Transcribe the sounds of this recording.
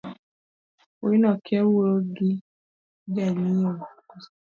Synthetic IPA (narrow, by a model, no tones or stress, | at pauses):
oinɔkʰeweoɡi | ɡaɲiɔ